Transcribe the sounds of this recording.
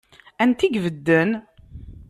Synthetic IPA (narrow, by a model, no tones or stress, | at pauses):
ænt̪iɡvəd̪ːən